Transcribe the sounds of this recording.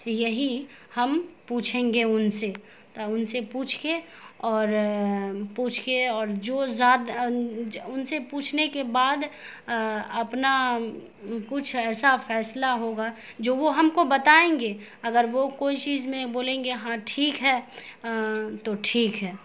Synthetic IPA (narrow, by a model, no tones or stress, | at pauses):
jɐɦihɐmpuːt͡ʃʰẽːŋɡeʊnse | t̪ʊnsepuːt͡ʃʰke | ɔːɾ | puːt͡ʃʰkeɔːɾd͡ʒoːzaːd̪ | ʊnsepuːt͡ʃʰnekebaːd̪ | ɐpna | kʊt͡ʃʰɛːsafɛːslaɦoːɡa | d͡ʒoːʋoɦɐmkobɐt̪aːẽːŋɡeː | ɐɡəɾʋokoːit͡ʃiːzmẽboːlẽːŋɡeɦãʈʰiːkɦɛː | t̪oʈʰiːkɦɛː